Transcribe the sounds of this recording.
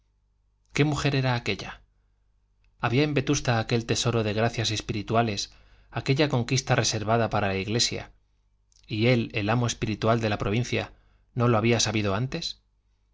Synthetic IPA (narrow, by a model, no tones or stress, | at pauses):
ke̞muxe̞ɾe̞ɾaːke̞ʎa | aβiaembe̞t̪ust̪aːke̞lt̪e̞so̞ɾo̞ðe̞ɣ̞ɾaθjase̞spiɾit̪uale̞s | ake̞ʎako̞ŋkist̪are̞se̞ɾβaðapaɾalaiɣle̞sja̰ | ie̞le̞lamo̞espiɾit̪wald̪e̞lapɾo̞β̞in̟θja̰ | no̞lo̞aβiasaβiðo̞ant̪e̞s